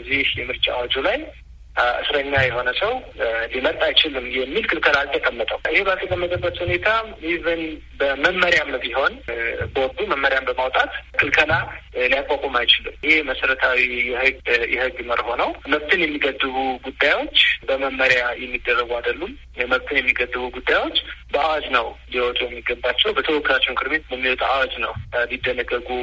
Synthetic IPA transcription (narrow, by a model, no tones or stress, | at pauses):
zihjɛmɨɾt͡ʃʼa̰wad͡ʒulaj | ʔɨ̰sɾəɲːajɛho̞nəsəwlimət̪ʼajt͡ʃɪlɨmjɛmːilkʰɨlkʰəlalt̪ʰʼəkʼəmːət̪ʼəwʔɨhe̞bət̪əkʼəmːət̪ʼəbʼːət̪hune̞t̪ʰaiβɨn | bəməmːəɾjamnbiɦo̞nboɾd̪uməmːəɾjambəmawt̪ʼat̪kʰɨlkʰəlalijakʼːakʼomajt͡ʃɪlɨmɨhe̞məsəɾət̪ʰawijɛhɨɡjɛhɨɡːməɾho̞nəwməβt̪ʰɨnjɛmːiɡəd̪ːɨβuɡud̪ːajwo̞t͡ʃːbəməmːəɾjajɛmːid̪ːərːəɡuad̪əlːum | jɛməβt̪ʰɨnjɛmːiɡəd̪ːɨβuɡud̪ːajwo̞t͡ʃːbəawad͡ʒnəwnliwɔt̪ʼujɛmːiɡəbat͡ʃːɛwbət̪ʰəwɔkːɨɾat͡ʃːɛwnkʰɨɾmet̪bɛmːiwɔt̪ʼuʔawad͡ʒnəwbid̪ːənəɡːəɡu